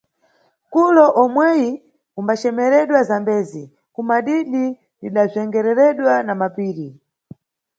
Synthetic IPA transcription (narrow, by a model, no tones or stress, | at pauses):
kulɔʔɔmwɛji | umbat͡ʃɛmɛɾɛɗwazambɛːzi | kumaɗiɗi | liɗazɛŋɡɛɾɛɾɛɗwanamapiːɾi